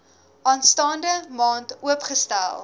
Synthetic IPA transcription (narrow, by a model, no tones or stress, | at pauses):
ʔɑːnstɑːndəmɑːntuəpχəstæ̰lˠ